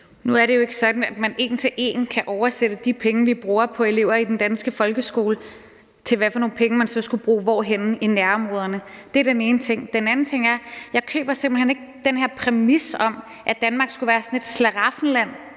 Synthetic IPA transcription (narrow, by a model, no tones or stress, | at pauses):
nuæɐɾejo̝e̝ɡ̥ə̥sɒ̽d̥n̩æd̥mæne̝̰ːnt͡sʰe̝ʔe̝̰ːn̩kʰæʔɒʊɐsed̥əd̥ipʰeŋəʋib̥ʁuːɐpʰɒ̽e̝le̝ʊ̰ɐid̥end̥ænsɡ̥əfɒ̽lɡ̥əsɡ̥o̝ːlə | t͡sʰe̝lʋæfɒ̽no̝ːn̩pʰeŋəmænsɒ̽sɡ̥ub̥ʁṵːʋɒ̰ːɦen̩inæɐɒ̽mʁɔ̽ːðˠɐnəd̥e̝æɐd̥ene̝ːnət͡sʰe̝ŋ̰d̥enæn̩t͡sʰe̝ŋ̰æɐjɑ̈ɪkʰø̰ːb̥ɐsemb̥l̩hene̝ɡ̥̚d̥enheɐ̰pʰʁɛmisɒ̽m | ʔæd̥ænmɑ̈ːɡ̥sɡ̥uʋæːɐsɒ̽ne̝d̥slæʁɑ̈fn̩læn̰